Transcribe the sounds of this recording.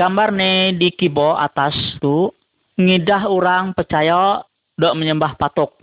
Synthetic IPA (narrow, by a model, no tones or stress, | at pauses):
ɡ̥ambarnedikiboa̰t̪ast̪u | ŋidaɦuɾaŋpərt͡ʃaja | dɔʔməɲəmbahpat̪ʊk̚